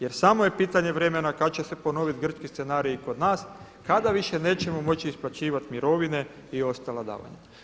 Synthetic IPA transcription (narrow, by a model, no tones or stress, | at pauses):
je̞ɾsaːmoje̞piːt̪aɲe̞ʋɾe̞me̞nakat͡ɕe̞se̞po̞no̞ʋit̪ɡr̩t͡ʃkist̪senaːɾijiko̞d̪naːs | kad̪aʋiʃe̞ne̞ːt͡ɕe̞momo̞t͡ɕiːsplˠat͡ɕiːʋat̪miɾo̞ʋine̞ | io̞st̪alad̪a̰ːʋa̰ɲa̰